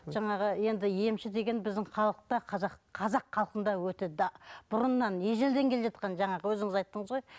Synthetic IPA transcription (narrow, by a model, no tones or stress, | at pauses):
ʒ̥ɑɴɑʁəje̞nd̪ɪie̞mʃɪd̪e̞ɡʲe̞nbɪzd̪ɪŋχɑlˠəq̚t̪ɑqʰɑzɑqqʰːɑzɑqʰːɑlˠəqənd̪ɑwɵt̪ɪd̪ɑb̥ʊɾənːɑnje̞ʒeld̪e̞ŋkʲelʲʒɑt̪̚qɑnʒɑɴɑʁəwɵzɪŋɪzɑjt̪ːəɴəzʁo̞j